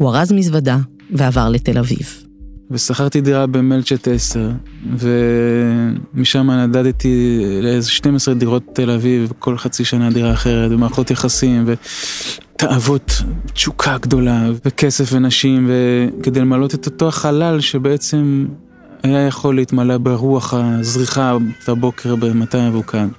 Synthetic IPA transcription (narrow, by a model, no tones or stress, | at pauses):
huaʁazmizvad̪a | veavaʁlet̪elavḭv | vesaχaʁt̪id̪iʁabemelt͡ʃet̪eseʁve̞ | miʃamanadad̪t̪ileezeʃtemesʁed̪iʁo̞t̚ːe̞lavivkʰo̞lχat͡siʃanad̪iʁaːχe̞ʁetvemaʁχo̞t̪jaχasimve | t̪aʔavot̪t͡ʃukʰaɡd̪o̞lavekesefvenaʃimveke̞d̪ejlemalo̞t̪et̪oto̞aχalalʃe̞beet͡se̞m | ajajaχo̞leitmalabeʁuaχazʁiχatabo̞kʰe̞ʁbemataavukʰan